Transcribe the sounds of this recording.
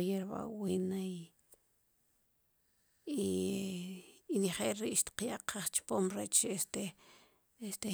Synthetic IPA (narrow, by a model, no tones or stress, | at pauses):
jeɾba̰winai | i | iniχeːlɾiʔʃt̪i̥qjaʔqʰaχt͡ʃpoːmɾet͡ʃest̪e | est̪e